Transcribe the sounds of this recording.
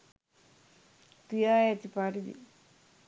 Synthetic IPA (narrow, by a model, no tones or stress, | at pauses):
t̪ijajat͡ɕipaɾid̪ḭ